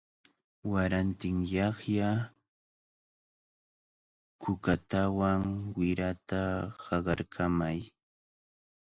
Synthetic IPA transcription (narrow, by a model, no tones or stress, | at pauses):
waɾant̪ɪŋjɑχja | kʊkat̪awaŋwɪɾat̪ahɑɢɑɾkʰamaj